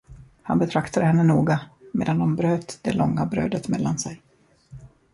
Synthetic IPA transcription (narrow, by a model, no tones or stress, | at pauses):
hanbɛt̪ʰɾakt̪ad̪əhɛnːənuːɡamḛːd̪and̪ɔmbɾøːt̪d̪ɛlɔŋːabɾø̰ːd̪ət̪mɛlːansɛj